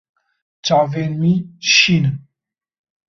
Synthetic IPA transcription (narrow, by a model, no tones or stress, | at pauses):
t͡ʃavenmiʃin